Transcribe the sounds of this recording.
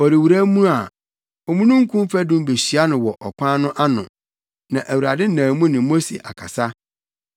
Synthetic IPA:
ɔ˨ɾi˨wu˨ɾæ˦mũ˦a˨ | ɔ˨mũ˦nũ˦ŋ̩˦kʰũ˦m˦fæ˦dʊ̃˦m˦be˨ɕi˨a˦nʊ̃˨wɔ˨ʔɔ˨kʷʰã˦nʊ̃˦ʔa˦nʊ̰̃˨ | nã˨ʔæ˨wu˨ɾa˨dɪ˦n̩˦nãː˨mũ˦nɪ̃˨mo˦sḛ˨ʔa̰˨kʰa̰˨sa˦

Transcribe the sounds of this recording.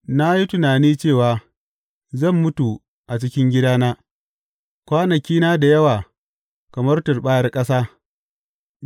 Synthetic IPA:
na˦ji˦tʊ˨naː˨niː˦t͡ʃeː˦˨waː˨ | zɐ˦˨mːʊ˦tu˨ | ʔa˨t͡ʃɪ˦kʲɪ˦ŋɡʲɪ˦daː˦naː˦ | kʷaː˦nɐ˨kʲiː˦na˦da˨jɐ˦waː˨ | kɐ˨mɐ˦rtʊ˨rɓaː˦jɐ˦rkʼɐ˦saː˦

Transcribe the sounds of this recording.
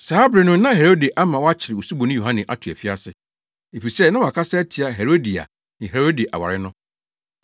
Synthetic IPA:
saː˦bɾɪ˨nʊ̃˦nã˦ɦe˨ɾo˦de˨ʔa˦mã˨wɔ˦a˦t͡ɕʰɪ˨ɾɪ˨o˨su˦bo˨nʊ̃˦jo˨ɦã˦nɪ̃˨ʔa˦tʰʊ˨æ̰˨fi˦a˦sɪ˨ | e˨fi˨ɾi˨sɛ˦nã˦wɔ˨a˨kʰa˦sɛ˦tʰi˨a˨ɦe˨ɾo˦di˨a̰˨ | nɪ̃˨ɦe˨ɾo˦di˨ʔa̰˨wa˨ɾɪ˦nʊ̃˦

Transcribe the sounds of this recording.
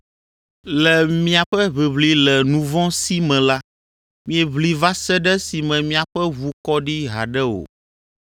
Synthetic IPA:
lɛ˨mĩ˦a˨ɸɛ˦βe˨βli˦lɛ˨nũ˨vɔ̃˦si˦mɛ̃˨la˦ | mĩ˦ɛ˨βli˨va˦sɛ˦ɖɛ˦si˨mɛ̃˨mĩ˦a˨ɸɛ˦vu˨kɔ˦ɖi˦ɦa̰˨ɖɛ˦wo̰˨

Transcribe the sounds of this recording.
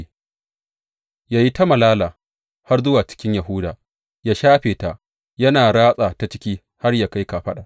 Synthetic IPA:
jaː˦˨ji˦ta˦mɐ˨laː˦laː˨ | ha˦rzʊ˦waː˨t͡ʃɪ̥˦kʲɪ˦ɲja˨ɦʊ˦daː˨ | jaː˦ʃaː˦ɸeː˨ta˨ | jɐ˦naː˨ɽaː˦sʼa˨ta˨t͡ʃɪ̥˦kʲiː˦ | ha˦rjaː˨ka˦jka˨ɸɐ˦ɗa˨ʔ

